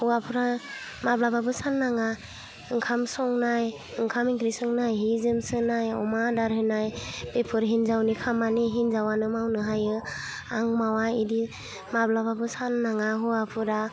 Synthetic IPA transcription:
huapʰuɾa | mablababɯsanːaŋa | ɯŋkʰamsɔŋnaj | ɯŋkʰamiŋkɾisɔŋnajɦizɯmsɯnajɔmadaɾɦɯnajpepʰɯɾɦinzawnikʰamaniɦinzawanɯmawnɯɦajɯ | aŋmawaidi | mablababɯsanːaŋaɦuapʰɯɾa

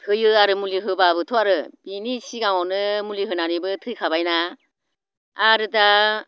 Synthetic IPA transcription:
tʰɯjɯaɾɯmuliɦɯbabɯtʰɔaɾɯb̥inisiɡaŋɔnɯmuliɦɯnanibɯtʰɯjkʰabajna | ɾɯta

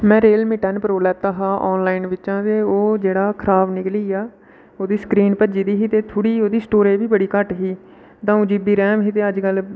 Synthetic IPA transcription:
mɛ̃ːɾeːlmɪʈənpəɾoːlɛːt̪aːɦãːʔɔːnlaːinʋɪt͡ʃãːt̪eːoːd͡ʒeːɽaːkʰɾaːʋnɪkliːaː | oːd̪iːskɾiːnpəd͡ʒiːd̪iːɦiːt̪eːt̪ʰoːɽiːoːd̪iːsʈoːɾeːbiːbəɽiːkəʈɦiː | t̪ãːũːd͡ʒɪbiːɾɛ̃ːmɦiːt̪eːəd͡ʒkəl

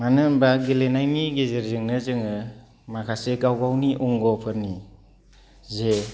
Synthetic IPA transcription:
manɯmbaɡilenajniɡezeɾzɯŋnɯzɯŋɯ | makʰasekawɡawniʔuŋɡɔpʰɯɾni | ze

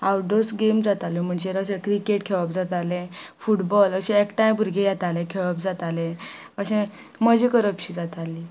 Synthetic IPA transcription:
awɖosɡemd͡zat̪alem̤əɳd͡ʑeɾəɕẽkɾikeʈkʰeɭəp̚d͡zat̪alẽfuʈbɔləɕɛ̃ekʈajbʱuɾɡẽjat̪alɛ̃kʰeɭəp̚d͡zat̪alẽ | əɕɛ̃ | məd͡ʑikəɾəpɕiːd͡zat̪ali

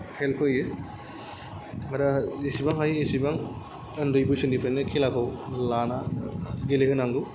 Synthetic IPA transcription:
helkʰɯjɯ | maɾaisibaŋɦajesibaŋ | ɯndɯjbɯsɯndipʰanɯkʰilakʰɯwlanaɡelehɯnaŋɡɯ

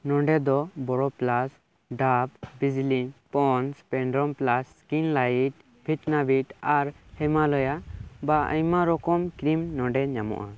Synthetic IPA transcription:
nɔ̃ɖɛd̪ɔbɔɽɔplas | ɖapbid͡ʒlipɔnspɛɳɖɾɔmplas | kinlajiʈ̚ | bʱiʈnabiʈaɾhɛmalɔjabaə̰jmaɾɔkɔmkɾimnɔ̃ɖɛɲamɔ̰ʔa

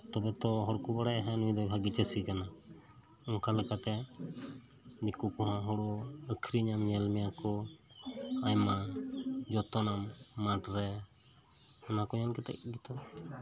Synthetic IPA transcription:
t̪ɔbɛt̪ɔɦɔɽkubaɽajɦɛnũjd̪ɔjbʱaɡit͡ʃəsikana | ɔŋkalɛkat̪ɛ | nikukɔɦãɦɔɽɔəkʰɾiɲamɲɛlmɛjakɔ | ajma | d͡ʒɔt̪ɔnamːaʈɾɛ | ɔnakɔɲankɛt̪ɛ̰ʔ̚ɡit̪ɔ

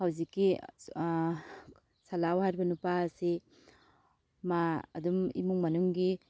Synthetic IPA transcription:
hawzikːi | salawɦajɾbɐnupaɐsi | maɐ̰dumḭmuŋmɐnuŋɡi

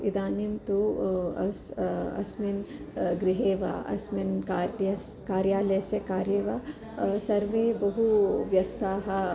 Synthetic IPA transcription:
id̪aːnjɐmt̪uɐsɐ̰sminɡɾiɦeːʋa̰ɐ̰sminkaːɾɐs | kaːɾjaːlɐjsɐkaːɾjeːʋa | sɐɾʋeːbɐɦuʋjɐst̪ʰaːɦɐ

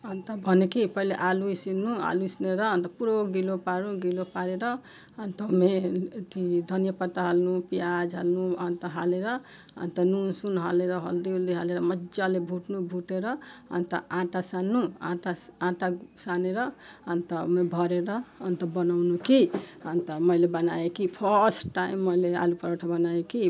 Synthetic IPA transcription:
ʌnt̪ʌbʱʌnekipʌɦileʔaluisinua̰luisneɾʌnt̪ʌpuɾoɡilopaɾũɡilopaɾeɾʌ | ʌnt̪ʌmet̪id̪ʱʌnjʌpat̪ːaɦalnupijad͡ʒɦa̰lnuʌnt̪ʌɦaleɾʌ | ʌ̰nt̪ʌnunsunɦa̰leɾʌɦʌ̰ld̪iuld̪iɦaleɾʌmʌd͡ʒalebʱuʈnubʱuʈeɾʌʌ̰nt̪ʌ̰ãʈasanːuã̰ʈaãʈasaneɾʌʌnt̪ʌmebʱʌɾeɾʌʌnt̪ʌbʌnawnukiʌnt̪ʌmʌjlebʌnaekipʰʌsʈʈaimːʌjlea̰lupʌɾaʈʰʌbʌnaeki

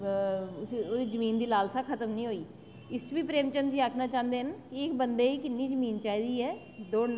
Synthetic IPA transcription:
soːd̪iːzəmiːnd̪iːlaːlsaːkʰət̪əmnĩːɦoːiː | ɪst͡ʃbiːpɾeːmt͡ʃənd̪d͡ʒiːaːkʰnaːt͡ʃãːnd̪eːɦənkɪɪkbənd̪eːiːkɪnːiːd͡ʒəmiːnt͡ʃaːɦiːd̪iːɦɛː | d̪oː

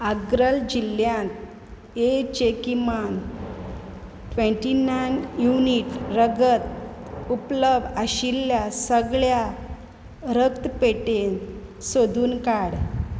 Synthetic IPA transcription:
aɡɾəld͡ʑilːjãnt̪ | et͡ɕekiman | ʈʋẽɳʈinajnjuniʈɾəɡət̪̚upləbʱəɕiljasəɡɭja | ɾəkt̪peʈensod̪ʱuːnkaɽ

